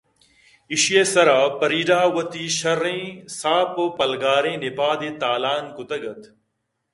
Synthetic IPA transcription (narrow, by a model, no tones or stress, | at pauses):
iʃjeːsɐɾaːpɐɾiːɖaːwɐt̪iːʃɐɾẽːsaːpopɐlɡaːɾẽːnɪpaːd̪eːt̪aːlaːnkʊt̪ɐɡɐt̪